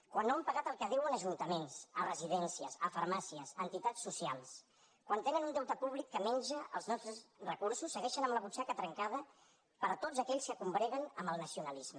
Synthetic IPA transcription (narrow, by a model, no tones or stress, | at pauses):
kwanːoəmpəɣat̪əlˠkəðiwənəʒunt̪əmensərəziðɛnsiəsəfəɾmasiəzənt̪it̪asːusialˠs | kwant̪enənund̪ɛwt̪əpuβlikːəmɛnʲd͡ʒəə̰lˠznɔst̪ɾəzrəkuɾsusːəɣɛʃənəmləβut͡ʃakət̪ɾəŋkaðə | pəɾt̪ozəkɛʎskəkumbɾɛɣənəmbəlˠnəsiunəlizmə